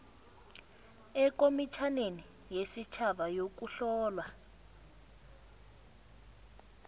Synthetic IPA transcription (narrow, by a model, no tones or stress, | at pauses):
ɛk̬ʼomit͡ʃʰaneni | jesit͡ʃʰaɓajok̬uɬɔːlwa